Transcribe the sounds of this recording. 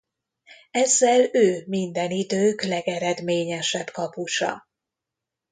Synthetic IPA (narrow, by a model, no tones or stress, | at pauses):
ɛzːɛløːmind̪ɛnid̪øːklɛɡɛɾɛd̪meːɲɛʃɛbkɒpuʃɒ̰